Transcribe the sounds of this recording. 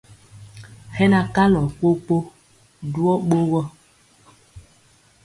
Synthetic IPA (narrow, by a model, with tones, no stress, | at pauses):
hɛ˦na˨ka˦lɔ˨k͡po˦k͡po˦ | du˦ɔ˦ɓo˦ɣɔ˦